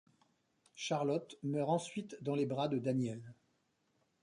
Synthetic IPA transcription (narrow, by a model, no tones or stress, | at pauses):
ʃaʁlɔt̪mœʁɑ̃sɥit̪d̪ɑ̃lebʁad̪əd̪anjɛl